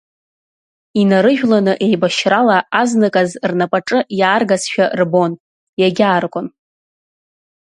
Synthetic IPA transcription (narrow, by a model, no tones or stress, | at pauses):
inaɾɨʒᶣlanɨʔe̞jbaʃralaaznɨkʼazrnapʼaʈ͡ʂʼɨjaːrɡasʃᶣarbo̞n | jaɡʲaːrkʷʼʊn